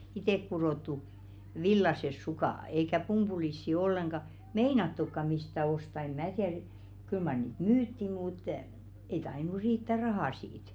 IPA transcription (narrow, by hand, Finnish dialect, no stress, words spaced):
iteˑkːuroˑtːu ʋilːɑses sukɑˑ eikæ pumb̥ulisːi olːeŋɡ̊ɑ meinɑtːukːɑ mistæ ostɑ em̆ mæː tiær kyl mɑr niːt myːtːi muˑt ei tɑinu riːtːæ rɑhɑˑ siːt